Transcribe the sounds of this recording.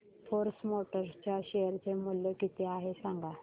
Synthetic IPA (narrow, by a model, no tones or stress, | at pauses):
fʰoɾsmoʈəɾst͡ɕjaɕejəɾt͡semuljekit̪ʰeaɦesaŋɡa